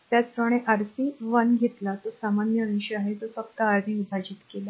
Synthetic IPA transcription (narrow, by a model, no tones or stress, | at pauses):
t̪jat͡skɾəɽ̃eʔəɾsiːʋənɡʱet̪lat̪osamanjəəɕəaɦet̪ofəkt̪aːɾd̪ʱĩib̪ʱad͡ʑiːt̪kela